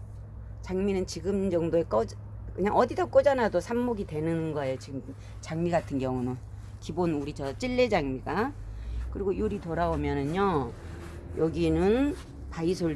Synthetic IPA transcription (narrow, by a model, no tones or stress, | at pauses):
t͡ɕaŋminɯnt͡ɕiɡɯmd͡ʑʌŋdoe̞k͈ʌd͡ʑ | kɯɲaŋʔʌdidʌk͈od͡ʑanadosʰamːoɡitwe̞nɯnnɡʌe̞jot͡ɕiɡɯm | t͡ɕaŋmiɡatʰɯnɡjʌŋuno | kibonuɾit͡ɕʌt͡ɕ͈iɭːed͡ʑaŋmiɡa | kɯɾiɡojuɾitoɾabomjʌnɯno | jʌɡinɯn | paisʰo